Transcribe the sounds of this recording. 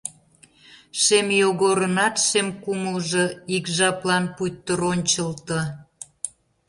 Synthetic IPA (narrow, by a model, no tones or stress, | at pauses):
ʃemjoɣoɾənɑt̪ʃemkuməlʒoikʒɑplɑnput̪ːəɾonʲt͡ɕəlt̪ə̆